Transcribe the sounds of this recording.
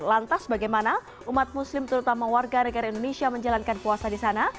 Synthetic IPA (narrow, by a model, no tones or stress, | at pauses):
lant̪asbaɡajmana | ʔumat̪̚muslɪmt̪əɾut̪amawarɡanəɡaɾaindonesiaməɲd͡ʒalankanpuasadisana